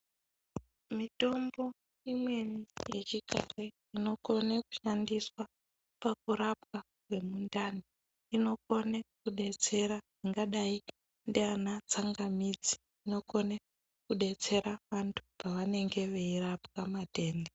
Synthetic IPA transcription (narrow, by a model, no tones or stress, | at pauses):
mito̞mbo̞ | imwe̞nijet͡ʃika̰re | ino̞ko̞neku̥ʃandiswa | pak̚uɾapka | ke̞mundaːni | ino̞ko̞nekuɗe̞t͡se̞ɾaʐiŋɡaɗai | ndianat͡saŋɡamid͡zi̥ːno̞ko̞ne | kuɗe̞t͡se̞ɾaʋantʰu̥paʋane̞ŋɡe̞ʋeirapkamate̞ːnde